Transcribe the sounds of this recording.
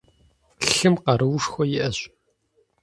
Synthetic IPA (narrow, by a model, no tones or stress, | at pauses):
ɬɬɨmqɐɾɨwʂxʷɔjɪʔɐɕ